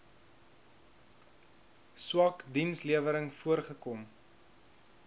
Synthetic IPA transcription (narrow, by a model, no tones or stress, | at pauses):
swɑkdinsliəvəɾəŋfuərχəkɔm